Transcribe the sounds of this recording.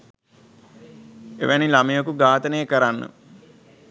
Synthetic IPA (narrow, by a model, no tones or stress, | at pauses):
ḛʋænilamijokuɡaːt̪ənəjəkəɾanːə̰